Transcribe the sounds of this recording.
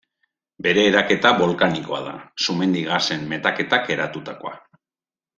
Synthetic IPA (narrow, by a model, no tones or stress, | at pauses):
be̞ɾe̞ːɾake̞t̪aβo̞lkaniko̞a̰ða̰sume̞nd̪iɣase̞mːe̞t̪ake̞t̪ake̞ɾat̪ut̪ako̞a